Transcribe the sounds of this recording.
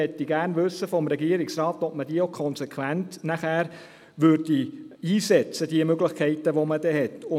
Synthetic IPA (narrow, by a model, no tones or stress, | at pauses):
ɛt̪ːiɡ̥æːrnʋɵsːəfɔmɾɛɡiːəɾɪksrɑːt̪ɔp̚məd̥iəokʰɔnsɛkʰwæntnæχæːɾ | ʋʏɾdiiːsɛt͡səd̥iəmøɡlɪχkʰɛɪtəʋoməd̥ɛhɛtʊ